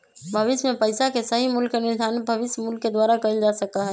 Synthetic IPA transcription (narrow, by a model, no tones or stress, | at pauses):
bʱəʋɪsmẽpəɪsakesəɦimulkːenɪɾd̪ʱaːnbʱəʋɪsjəmulkːed̪waːɾakəld͡ʒasəkaɦɛ